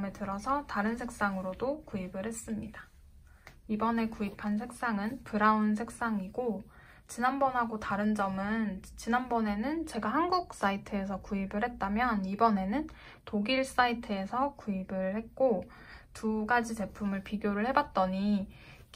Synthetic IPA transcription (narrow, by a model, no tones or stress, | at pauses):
metɯɾʌsʰʌtaɾɯns̬ʰek̚s͈aŋɯɾodokuibɯɭhe̞s͈ɯmɲida | ibʌne̞kuipʰans̬ʰe̞k̚s͈aŋɯnpɯɾauns̬ʰe̞k̚s͈aŋiɡo | t͡ɕinanbʌnɦaɡotaɾɯnd͡ʑʌmɯnt͡ɕinanbʌne̞nɯnt͡ɕe̞ɡahanɡuk̚s͈aitʰɯe̞s̬ʰʌkuibɯɭhe̞t̚t͈amjʌnibʌne̞nɯn | toɡiɭs͈aitʰɯe̞sʰʌkuibɯɭhe̞t̚k͈o | tʰuɡad͡ʑit͡ɕe̞pʰumɯɭpiɡjoɾɯɭhe̞bat̚t͈ʌɲi